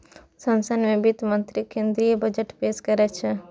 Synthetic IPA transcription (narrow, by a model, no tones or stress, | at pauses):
sɐ̃nsənmẽbit̪mənt̪ɾikẽnd̪ɾijəbɐd͡ʒəʈpeskəɾɛt͡ʃʰɛ